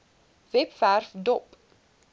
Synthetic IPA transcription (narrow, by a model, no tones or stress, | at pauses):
vɛpværfdɔp